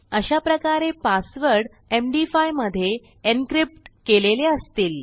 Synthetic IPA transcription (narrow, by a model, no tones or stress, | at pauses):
əɕapɾəkaɾepasʋəɾɽ | emɖifajməd̪ʱːje | enkɾip̚ʈkeleleəst̪iːl